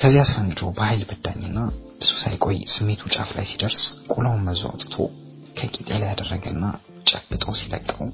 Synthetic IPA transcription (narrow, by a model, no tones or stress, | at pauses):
kʰəzihasɾant͡ʃʰo̰wbəhajlbɨd̪aɲːnːab̥ɨz̥usajkʼojːsɨmːe̞t̪ʰut͡ʃʼa̰fla̰jsid̪əɾskʼulawnməzua̰wt̪ʼt̪ʰo̞̰ | kʰəkʼit̪ʼelajad̪ərːəɡəɨnːa | t͡ʃʼəbɨt̪ʼəwsilə̰kʼːəw